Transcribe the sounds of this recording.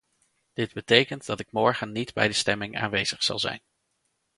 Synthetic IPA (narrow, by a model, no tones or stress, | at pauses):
d̥ɪd̚bətejkəntdɑtɪk̚mɔɹχənːidbɛ̰jdəstɛmɪŋa̰ːnʋejzəχsɑ̰lˠzɛ̰jn